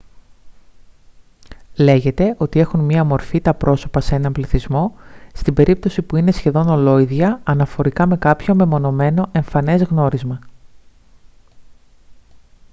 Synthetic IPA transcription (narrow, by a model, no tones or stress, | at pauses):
le̞ʝe̞t̪e̞ʔo̞t̪ie̞xunmɐmo̞ɾfit̪ɐpɾo̞so̞pɐse̞nɐmbliθizmo̞st̪ibe̞ɾip̚t̪o̞sipuine̞sçe̞ðo̞no̞lo̞iðʝɐɐnɐfo̞ɾikɐme̞kɐpço̞me̞mo̞no̞me̞no̞ʔe̞ɱfɐne̞zɣno̞ɾizmɐ